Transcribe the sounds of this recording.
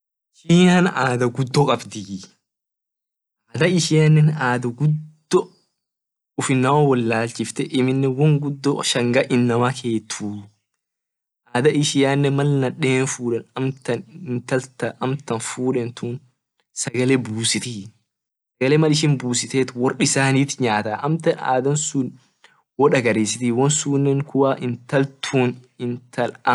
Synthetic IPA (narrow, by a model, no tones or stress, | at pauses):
ʃijaːnaːd̪ɐɡʊd̪ːɔkʼɐbd̪ɪ | aːd̪ɐɪʃɪjanːɛnaːd̪ɐɡʊd̪ː | ɔ | ʊfɪnːɐwɐwɔlːaːlt͡ʃɪft̪ɛʔɪmɪnːɛwɔŋɡʊd̪ːɔʃɐŋɡɐʔɪnːɐmakʰe̞ːt̪ʰuː | ʔaːd̪ɐʔɪʃɪjaːnːɛmɐlnɐᶑeːnfuːᶑɛnɐmt̪ɐnɪnt̪ɐlt̪ɐʔɐmt̪ɐnfuːᶑɛnt̪ʰuːn | sɐɡɐlɛbuːsɪt̪ɪ | sɐɡɐlɛmɐlɪʃ̬ɪnbuːsɪt̪eːt̪wɔrɗɪsaːniːt̪ɲaːt̪aːʔɐmt̪ɐna̰ːd̪ɐnsʊn | wɔᶑɐɡɐɾeːsɪt̪ɪwɔnsuːnːɛŋkʊwaːʔɪnt̪ɐlt̪ʰuːnɪnt̪ʰɐlɐ